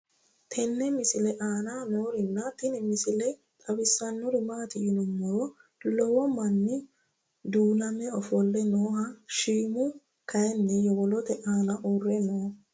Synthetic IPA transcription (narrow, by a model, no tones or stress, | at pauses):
t̪ʰɛnːɛmɪsɪlɛʔaːnanoːɾɪnːɐt̪ɪnɛmɪsɪlɛ | t̪ʼɐbɪsːɐnːɔɾɪmaːt̪ɪjɪnɔmːɔɾɔlɔwɔmɐnːɪ | d̪uːnɐmɛɔfɔlːɛnoːhɐʃiːmʊ | kʰɐjɛnːɛjɔwɔlɔt̪ɛʔaːnɐʔorːɛnoː